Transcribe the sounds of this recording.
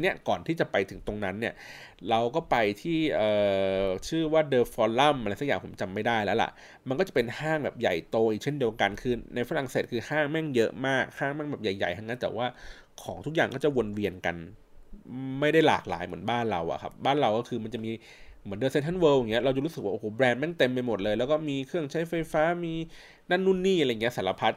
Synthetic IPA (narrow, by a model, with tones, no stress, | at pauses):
ni˦˥ɐkɔː˨˩nt̪ʰiː˥˩t͡ɕa˨˩pa˧jt̪ʰɯ˩˦ŋt̪o˧ŋna˦˥nːi˥˩ɐ | ɾa˧wkɔː˥˩pa˧jt̪ʰiː˥˩ʔɤː˨˩t͡ɕʰɯː˥˩waː˥˩dɤː˧fɔː˧lla˥˩mʔljsa˦˥jaː˨˩pʰmt͡ɕa˧mːa˥˩jdaː˥˩jlɛː˦˥wla̰˨˩ʔ | ma˧nkɔː˥˩a˨˩pe˧nhaː˥˩ŋbɛː˨˩p̚ja̰˨˩jt̪oː˧ʔi˨˩t͡ɕʰe˥˩ndi˧əwka˧nkʰɯː˧na˧jfa˧ɾa˨˩ŋseː˨˩t̪̚kʰɯː˧haː˥˩ŋmɛ˥˩ŋjɤ˦˥ʔmaː˥˩k̚haː˥˩ŋmɛ˥˩ŋbɛː˨˩p̚ja˨˩jːa̰˨˩jt̪ʰŋa˦˥nt̪ɛ̰ː˨˩waː˥˩ | kʰɔː˩˦ŋt̪ʰu˦˥k̚aː˨˩ŋkɔː˥˩t͡ɕa˨˩wo˧nwi˧ənka̰˧n | ma˥˩jda˥˩jla̰ː˨˩k̚la̰ː˨˦jmɯ˩˦ənbaː˥˩nɾa˧wʔa̰˨˩kʰa̰˦˥p̚baː˥˩nɾa˧wkɔː˥˩kʰɯː˧ma˧nt͡ɕa˨˩miː˧ | mɯ˩˦ndɤ˧se˧˥t̪ʰa˥nwɤː˧wja˨˩ŋː˦˥ɐ˧ɾa˧t͡ɕa˨˩ɾuː˦˥sɯ˨˩kwa˥˩ʔːhoː˨˩˦bɾɛː˧nmɛ˥˩ŋt̪e˧mpa˧mo˨˩t̪̚lɤː˧jlɛː˦˥wkɔː˥˩miː˧kʰɯ˥˩əŋt͡ɕʰa˦˥jfa˧jfaː˦˥miː˧ | na˥˩nːu˥˩˨nːiː˥˩ʔa˧a˧jŋ˧˦˥sa˩˦la˧pʰa˦˥t̪̚